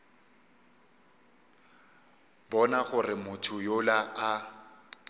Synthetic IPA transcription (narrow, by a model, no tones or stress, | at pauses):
bɔnaχʊrɪmʊtʰʊjolaʔa